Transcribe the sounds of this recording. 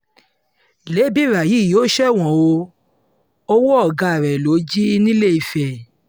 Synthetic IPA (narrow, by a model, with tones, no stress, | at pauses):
le˨˦bi˦˨ɾa˨ji˨˦˨jo˦ʃɛ˦˨w̃ɔ̃˨wo˧ | o˦wo˦ɔ˦˨ɡa˧˨ɾɛ˨lo˨˦d͡ʒi˦˧nĩ˦le˦i˨fɛ˨